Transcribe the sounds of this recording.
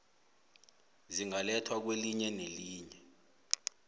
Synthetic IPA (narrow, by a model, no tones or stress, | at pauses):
ziŋalɛtʰwak̬weliɲɛneliːɲɛ